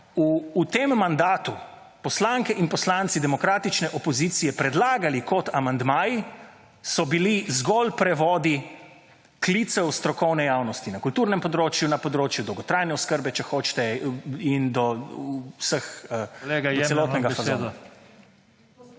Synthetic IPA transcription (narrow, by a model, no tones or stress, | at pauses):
uːt̪emːand̪aːt̪u | pɔslaŋkɛʔinpɔslant̪sid̪ɛmɔkɾaːt̪it͡ʃnɛʔɔpɔziːt̪sijɛpɾɛd̪laːɡalikɔt̪ʰamand̪maːji | sɔbilizɡɔlpɾɛʋɔːd̪i | klit̪sɛwst̪ɾɔkɔwnɛjaːwnɔst̪inɐkult̪uːɾnɛmpɔd̪ɾoːt͡ʃjunapɔd̪ɾoːt͡ʃjud̪ɔwɡɔt̪ɾajnɛɔskəɾbɛt͡ʃɛxoːt͡ʃt̪ɛind̪ɔ | səxeɡ̪sɛloɔːt̪nɛɡafazod